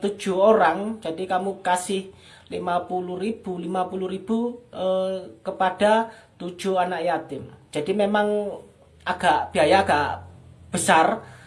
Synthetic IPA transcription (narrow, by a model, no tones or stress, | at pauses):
t̪u̥d͡ʒ̥ṳoɾaŋd͡ʒ̥adikamukasɪh | limapuluɾib̥ulimapuluɾib̥uəkəpad̥at̪u̥ʒ̥ṳanaʔijat̪ɪmd͡ʒ̥a̤dimemaŋ | aɡ̥aʔb̥i̤ajaːɡ̥aʔb̥əsar